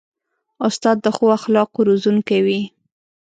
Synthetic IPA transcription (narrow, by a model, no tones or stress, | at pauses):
ʊst̪ɑd̪ːəxoaxlɑqoɾozunkawi